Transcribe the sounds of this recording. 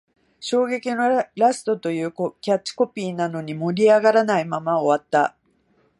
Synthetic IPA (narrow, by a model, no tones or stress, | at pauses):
ɕo̞ːɡe̞kʲino̞ɾasɨ̥t̪o̞t̪o̞jɯ̟ːkokʲat͡ɕːi̥ko̞pʲiːnano̞ɲ̟imo̞ɾʲiaɡaɾanaimamao̞βat̪ːa